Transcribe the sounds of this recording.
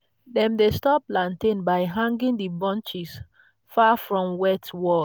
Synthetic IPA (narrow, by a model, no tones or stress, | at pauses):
dɛ̃mdestɔplãntẽnbaɪɦãŋɡĩŋdibɔ̃nt͡ʃis | fafɹɔ̃mwɛtwɔ